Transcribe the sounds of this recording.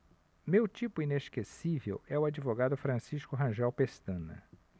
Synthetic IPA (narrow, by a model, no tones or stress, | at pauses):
mewt͡ʃipʊineʃkesivḛwɛʊad͡ʒivoɡad̪ʊfɾɐ̃siʃkʊɦɐ̃ʒɛwpest̪ɐ̃nɐ̰